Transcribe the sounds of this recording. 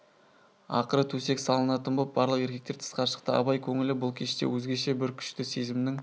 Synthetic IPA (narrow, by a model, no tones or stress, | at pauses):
ɑ̰qəɾət̪ʰɵse̞ksɑlˠənɑt̪ənbop̚bɑɾlˠəqe̞ɾkʲe̞k̚t̪e̞ɾt̪ʰə̥sqɑɾʃə̥q̚t̪əɑ̰bɑjkʲʰɵŋɪlɪbʊlˠkʲʰe̞ʃt̪ḛwɵzɡʲe̞ʃe̞bɪɾkʲʰʏ̥ʃt̪ɪse̞jzɪmɪnɪŋ